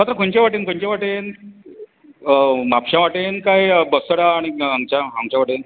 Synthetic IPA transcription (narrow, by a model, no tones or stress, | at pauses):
mat̪ɾəkoɲt͡ɕaʋaʈenkəɲt͡ɕaʋaʈen | mapɕãʋaʈenkajbəsəɽaːɽ̃iaŋɡt͡ɕaaŋɡt͡ɕãʋaʈen